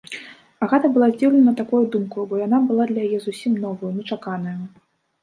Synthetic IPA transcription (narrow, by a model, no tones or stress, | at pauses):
ɐɣɛt̪ɐbɨlˠazʲd͡zʲiwlʲɪnɐt̪akujud̪umkubɔjanabɨlˠad̪lʲɐjajɛzusʲimnɔvɐjunʲɛt͡ʂakanɐju